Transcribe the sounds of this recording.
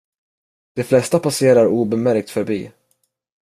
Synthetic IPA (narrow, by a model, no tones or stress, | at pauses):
d̪̥ɛflɛst̪apaseːɾaɾuːbɛmæɾk̚t̪fœɾbḭː